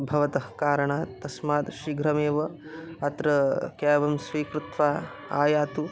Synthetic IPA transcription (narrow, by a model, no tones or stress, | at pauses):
bʱɐʋɐt̪ɐhkaːɾɐɳaːt̪ɐsmaːt̪ʃiɡɾɐmeːʋɐɐt̪ɾɐkɛːʋɐmsʋiːkɾut̪ʋaː | a̰ːjaːt̪u